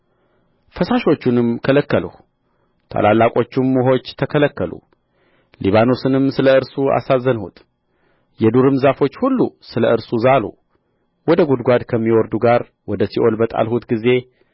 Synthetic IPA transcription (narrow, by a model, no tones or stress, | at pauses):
fəsaʃo̞t͡ʃːunɨmkʰələkːələ̰h | t̪ʰa̰lalːakʼo̞t͡ʃːumːuɦo̞t͡ʃːt̪ʰəkʰələkːəlṵ | lʔiβano̞sɨnɨmsɨləɨɾsua̰sazːənhṵt̪ʼ | jɛd̪uɾɨmzafo̞t͡ʃːhulːusɨləɨɾsuzalṵ | wɔd̪əɡud̪ɡʷad̪kʰəmːiwɔɾd̪uɡaɾ | wɔd̪əsiʔolbət̪ʼa̰lhut̪ɡize̞